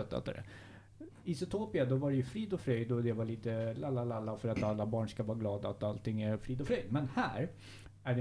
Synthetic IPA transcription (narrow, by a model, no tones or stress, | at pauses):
œt̪ːa̰t̪ːə̰ɾɛ̰ | ɪsɛt̪ʰoːpɪad̪ɔvaɖɛjɵfɾiːd̪ɔfɾœjd̪ɔd̪ɛvaɭiːt̪əlalːalalːafœɾat̪alːabɑːɳʂkavɑːɾaɡlɑːd̪aːt̪alt̪ɪŋːæɾfɾiːd̪ɔfɾœjd̪mɛnhæːɾ | æɖɛ